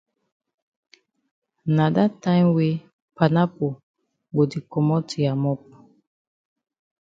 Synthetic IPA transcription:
na˨da˦ta˦jmwe˦ | pa˨na˦po˨ | bo˨di˨kɔ˨mɔ˦ti˨a˨mɔ˦p̚

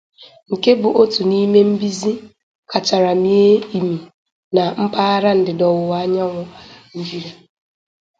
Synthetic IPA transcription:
ŋ̩˨ke˦bʊ˨ʔo˦tu˨ni˦me˦m̩˦bi˦zi˦ | kʰa˨t͡ʃa˨ɾa˨mi˦e˦i˨mi˨ | na˨m̩˦pa˦a˦ɾa˦n̩˨dɪ˨dɔ˨wʊ˨wa˦ɲa˦ŋʊ˦n̩˦d͡ʒi˦ɾa˨

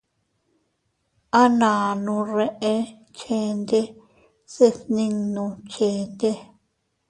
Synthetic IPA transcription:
a˦nãː˨nũ˧re˧ʔe˧ | keː˧˦nd̪e˦ | si˦θnĩ˧ŋnũ˧t͡ʃeː˨˦nd̪e˦

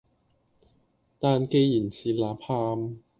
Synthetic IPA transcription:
t̪aː˧nke˧jji˨˩nsiː˧˩laː˨˥pʰaː˧m

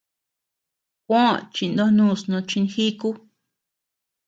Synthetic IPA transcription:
kʷõ˦t͡ʃi˧˨nd̪o˦nũː˦˨snõ˧t͡ʃi˧n˧xi˦ku˦

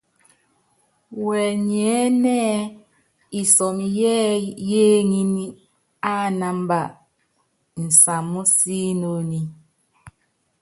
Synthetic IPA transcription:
wɛ˨ɲ˨ɛ˨˦nɛː˦ | i˨sɔ˨m˨jɛ˦jeː˦ŋi˦ni˦ | a˦˨na˨m˦ba˨ʔ | n̩˨sa˨mːu˦siː˦no˦ni˦

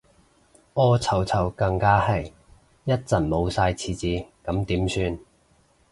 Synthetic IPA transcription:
ʔɔː˥t͡sʰɐ˨˧˩wt͡sʰɐ˨˩wkɐ˧ŋkaː˥hɐ˨j | jɐ˥t̚t͡sɐ˨˩nmo˨˧wsaː˧jt͡sʰiː˨˧t͡siː˧kɐ˨˥mt̪iː˨˥msyː˧n

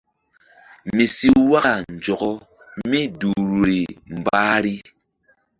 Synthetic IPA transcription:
mi˨si˦wa˦ɣa˨n˨d͡ʒɔ˨ɣɔ˦ | mi˦du˨ɾu˨ɾi˨m˨baː˦ɾi˦

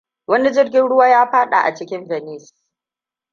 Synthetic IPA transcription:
wɐ˦ni˦d͡ʒɪ˦rɡʲɪ˦nɽʊ˦waː˦jaː˦ɸaː˦ɗa̰˨ʔa̰˨t͡ʃɪ˦kʲɪ˦nvɛ˨niː˦˨s

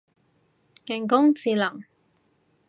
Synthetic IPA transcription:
ŋɛ˨˩ŋkʊ˥ŋt͡siː˨˧lɐ˨˩ŋ

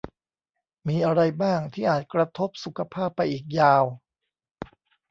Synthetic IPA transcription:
miː˧ʔa˧ɾa˧jbaː˥˩ŋt̪ʰiː˥˩ʔaː˨˩t̪̚kɾa˧t̪ʰo˦˥p̚su˨˩kʰa˧pʰaː˥˩pːa˧jʔiː˨˩k̚jaː˧w

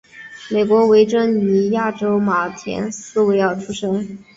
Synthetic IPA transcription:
me˨˩ɪkwɔ˧˥we˧˥ɪʈ͡ʂɤ˥ŋy˧˥˩ja˥˩ʈ͡ʂo˥ʊma˨˩t̪ʰjɛ̰˧˥nsɹ̩˥˧we˥ɪjɑ˥˩ʊʈ͡ʂʰu˥ʂɤ˥ŋ

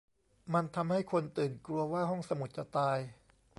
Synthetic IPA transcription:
ma˧nt̪ʰa˧mha˥˩jkʰo˧nt̪ɯː˨˩nkɾu˧ɐwaː˥˩ɦɔ˥˩ŋsa˧mu˨˩t̪̚t͡ɕa˨˩t̪aː˧j

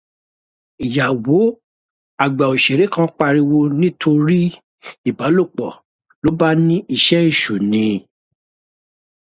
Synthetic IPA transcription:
i˨ja˨wo˨˦ | a˨ɡ͡ba˨o˨ʃe˨ɾe˨˦kã˧˦k͡pa˧ɾi˧wo˧nĩ˦tʰo˧ɾi˦ | i˦˨ba˨˦lo˦˨k͡pɔ̰˨ | lo˨˦ba˦nĩ˦i˧˨ʃɛ˦i˦˨ʃu˨nĩ˧

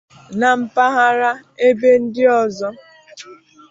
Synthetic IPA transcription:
na˨m̩˦pa˦ɦa˦ɾa˦e˦be˦n̩˦dɪ˦ɔ˨zɔ˦

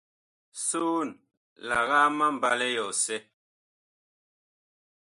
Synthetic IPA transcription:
su˦n | la˨ɣa˦ma˦m˨ba˦lɛ˦jɔ˨sɛ˦

